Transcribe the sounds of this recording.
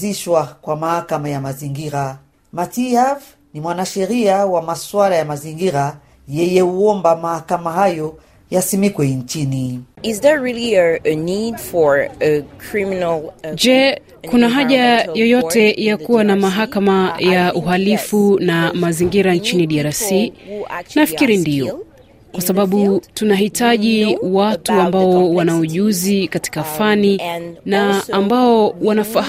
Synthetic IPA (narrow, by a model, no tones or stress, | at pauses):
iʃwakwamahakamajamaziŋɡiɾa | matiav | nimwanaʃɛɾiawamaswalajamaziŋɡiɾa | jɛjɛuɔmbamahakamahajɔ | jasimikwɛnt͡ʃiniizðəɹiliənidfɔɹəkʰɹiminld͡ʒɛ | kunaɦaʄajɔjɔtɛjakuwanamaɦakamajaʔuɦalifunamaziŋɡiɾant͡ʃiniɗiaɾasi | nafikiɾindijɔ | kwasaɓaɓutunahitaʄiwatuambaɔwanauʄuzikati̥kafaninaːmbaɔwanafa